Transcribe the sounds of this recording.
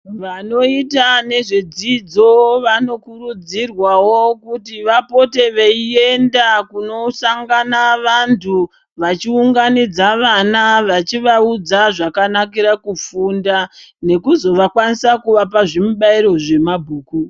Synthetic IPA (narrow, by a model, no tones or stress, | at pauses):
ʋano̞itane̞ʐed͡zid͡zo̞ʋano̞kurud͡zirwawokutiʋapo̞te̞ʋeie̞ndakuno̞saŋɡanaʋantʰu | ʋat͡ʃiuŋɡanid͡zaʋanaʋat͡ʃiʋaud͡zaʐakanak̬iɾakufundane̞kuzo̞ʋakwanisakuʋapaʐimuɓaiɾo̞ʐe̞mabʱuːku